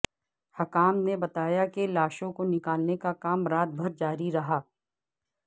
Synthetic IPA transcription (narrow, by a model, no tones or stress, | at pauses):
hɐkaːmnebɐt̪aːjakelaːʃõkonɪkaːlnekakaːmɾaːd̪̚bʱɐɾd͡ʒaːɾiɾɐɦaː